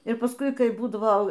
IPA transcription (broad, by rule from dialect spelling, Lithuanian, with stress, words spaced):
ɪr pɐsˈkʊɪ ˈkɐɪ ˈbuːdɐʋoː